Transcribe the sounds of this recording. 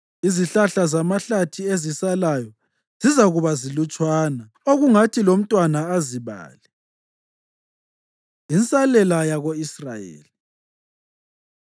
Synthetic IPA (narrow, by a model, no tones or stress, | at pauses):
iziɬaɬazamaɬatʰiezisalajɔ | z̥izaɣuβazilut͡ʃʼwaːna | oɣuŋatʰilom̩tʼwanaaziβa̰ːli | int͡sʼalɛlajaɣoisra̰jḛːli